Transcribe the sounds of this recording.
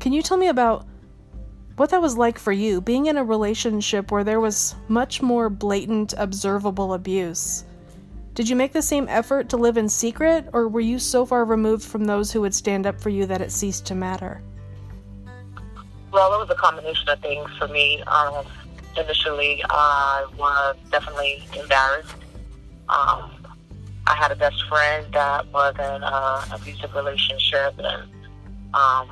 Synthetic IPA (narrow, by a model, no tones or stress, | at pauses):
kʰɨ̃njɨtʰɛlˠmiɨbaʊt̚ | wʌt̪̚ðɨt̚wʌzlaɪkfə˞jɨbiɪ̃ŋɨ̃nɨɹileɪʃɨ̃nʃɪpwə˞ðə˞wʌz̥mʌt͡ʃmɔɹbleɪʔn̩tʰɨbzɜ˞vəbl̩ˠəbjʉs | d̥ɨd͡ʒɨmeɪk̚ðɨsẽɪ̃mʔɛ̰fə˞tʰəlɪvɨ̃nsikɹɪɾə˞wə˞jɨsoʊfɑɹɹimuvd̥fɹʌ̃mðoʊz̥hʉwɨd̥stæ̃ndʌpfə˞jɨðɨɾɨtsistʰɨmæɾə̰˞ | wɛlˠðətwʌzəkʰɑ̃mbəneɪʃɨ̃nʌv̥θɪ̃ŋz̥fə˞miʌm | ɨnɪʃl̩ˠiʌɪwʌ˞dɛfənətˡliɨ̃mbɛɹɨst̚ | ʔʌ̰̃m | ʔa̰ɪɨɾɨbɛstfɹɛ̃nðət̚wɔʌɹðɨ̃nʌə̰fʉzɨkɹileɪʃɨ̃nʃɪp̚ɨ̰̃n | ʔʌ̃m